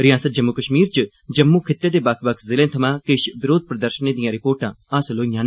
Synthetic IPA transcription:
ɾɪjaːsət̪̚d͡ʒɐmːukəʃmiːɾt͡ʃ | d͡ʒɐmːukʰɪt̪ːed̪ebakʰbɐkʰzɪlẽːt̪ʰɐmãːkɪʃʋɪɾoːd̪̚ʱpɾɐd̪əɾʃəned̪ijãːɾɪpoːɾʈã | aːsloːijãːn

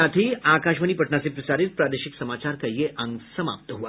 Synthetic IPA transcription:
at̪ʰiːaːkaʃʋənipəʈɳasepɾəsaɾit̪̚pɾaːd̪eʃiksəmaːt͡ɕaɾkəjːeʔə̃ŋɡsəma̰p̚t̪əɦuʋa

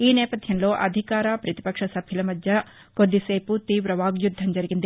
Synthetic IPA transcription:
iːnɛːpɐt̪ʰjɐnloːʔɐd̪ʱikaːɾɐpɾɐt̪i̥pɐkʂɐsɐbʱɐlɐmɐd̪jɐ | kod̪iseːput̪iːʋɾɐʋaːɡjud̪ʱːɐmd͡ʒɐɾiɡind̪e

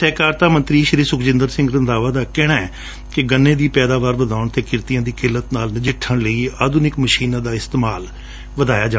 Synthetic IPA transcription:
sɛːkaːɾt̪aːmə̃nt̪ɾiːʃɪɾiːsʊkd͡ʒɪnd̪əɾsɪ̃ŋɡɾənd̪aːʋaːd̪aːkɛːɽ̃aːɛː | kɪɡənːẽːd̪iːpɛːd̪aːʋaːɾʋəd̪ʱaːʊɳt̪eːkɪɾt̪ijãːd̪iːkɪlːət̪naːlnəd͡ʒɪʈʰːəɳləiːaːd̪ʊnɪkməʃiːnãːd̪aːɪst̪eːmaːl | ʋəd̪aːjaːd͡ʒaː

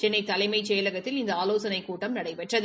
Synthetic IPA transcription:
t͡ʃɛnːɐɪt̪ːɐlɐɪmɐɪt͡ʃɛjɐlɐɣɐt̪ːɪlɪnd̪ɐaːloːsɐnɐɪkːuːʈːɐmnɐɽɐɪpɛʈrɐð

